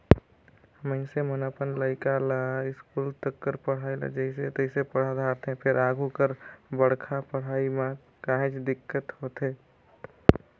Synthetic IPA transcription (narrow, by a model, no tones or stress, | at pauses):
məɪnsemənəpənləɪkalaɪskuːlt̪əkːəɾpəɽ̤ailə̰d͡ʒəɪset̪əɪsepəɽ̤ad̪ʱaːɾt̪ɦẽpʰɪɾaːɡʱukəɾbəɽkʰapəɽ̤aːimã | kaɦẽt͡ʃd̪ɪkːət̪hot̪ɦeː